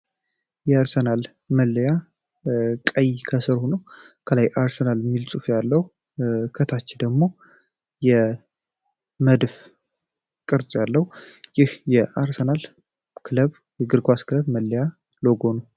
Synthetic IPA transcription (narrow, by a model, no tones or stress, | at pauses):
jɛaɾsənal | məlːəja | kʼəjkʰəsɨɾhunə | kʰəlajʔaɾsənalmːilsʼufjalːəhu | kʰət̪ʰat͡ʃːɪd̪əɡmo̞ | jɛ | məd̪f | kʼɨɾt͡sʼjalːəhujɪhjɛʔaɾsənal | kʰɨləβ | jɛɡɨɾɡʰʷwaskʰɨləβməlːəja | loɡo̞nə